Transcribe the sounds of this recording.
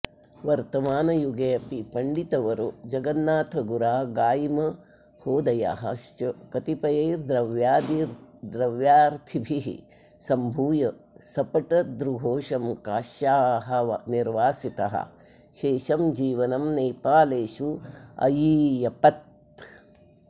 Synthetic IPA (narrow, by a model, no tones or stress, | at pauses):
ʋɐɾt̪ɐmaːnɐjuɡeːɐpipɐɳɖit̪ɐʋɐɾud͡ʒɐɡɐnːaːt̪ʰɐɡuɾaːɡaːjimɐ | hoːd̪ɐja̰ːɦɐ̰ʃt͡ʃɐkɐt̪ipɐjeːɾd̪ɾɐʋjaːd̪iɾd̪ɾɐʋjaːɾt̪ʰibʱiɦḭ | sɐmbʱuːjɐ | sɐpɐʈɐd̪ɾuɦoːʃɐmkaːʃjaːɦɐʋɐ̰niɾʋaːsit̪ɐɦɐ̰ | ʃeːʃɐmd͡ʒiːʋɐnɐmneːpaːleːʃuɐ̰jiːjɐpɐt̪̚